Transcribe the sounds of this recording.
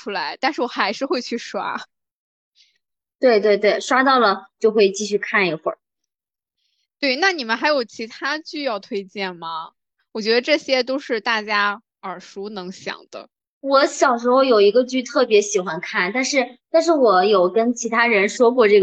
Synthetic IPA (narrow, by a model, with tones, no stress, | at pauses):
u˥la˧˥ɪt̪a˥˧nʂɻ̩˥˩wɔ˨˩xa˧˥ɪʂɻ̩˥˧xwe˥˧ɪt͡ɕʰy˥˩ʂwa̰˥ | t̪we˥˧ɪt̪we˥˧ɪt̪we˥˩ɪʂwa˥t̪ɑ˥˩ʊlə˩t͡ɕjo˥˧ʊxwe˥˧ɪt͡ɕi˥˧ɕy˥˧kʰa˥˩ni˧˥xwə̰˞˨˩ | t̪we˥˩ɪna˥˩ni˨˩mə˦nxa˧˥ɪjo˨˩ʊt͡ɕʰi˧˥t̪ʰa˥t͡ɕy˥˧jɑ˥˩ʊt̪ʰwe˥ɪt͡ɕjɛ˥˩nmɐ˩ | wɔ˨˩t͡ɕɥɛ˧˥d̪ə˧ʈ͡ʂɤ˥˩ɕjɛ˥t̪o˥ʊʂɻ̩˥˧t̪a˥˩t͡ɕja˥ | ə˞˨˩ʂu˧˥nɤ˧˥ŋɕjɑ̰˨˩ŋd̪̥ə̰˦ | wɔ˧˥ɕjɑ˨˩ʊʂɻ̩˧˥xo˥˧ʊjo˨˩ʊi˧˥ɡə˧t͡ɕy˥˧t̪ʰɤ˥˩pjɛ˧˥ɕi˨˩xwa˧˥nkʰa˥˩nt̪a˥˧nʂɻ̩˥˩˧t̪nʂ̬ɻ̩˥˩wɔ˨˩˦jo˨˩ʊkə˥nt͡ɕʰi˧˥t̪ʰa˥ɻə˧˥nʂwɔ˥kwɔ˥˧ʈ͡ʂɤ˥˩ɡ